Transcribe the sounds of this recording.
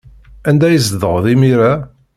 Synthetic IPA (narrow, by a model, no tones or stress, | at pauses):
ænd̪æjəzðəʁðimiɾæ